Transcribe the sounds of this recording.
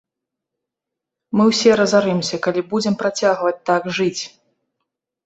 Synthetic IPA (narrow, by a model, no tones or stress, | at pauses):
mɨwsʲɛɾɐzaɾɛmsʲɐkalʲibud͡zʲɛmpɾat͡sʲaɣvɐt͡sʲt̪aɡʐɨt͡sʲ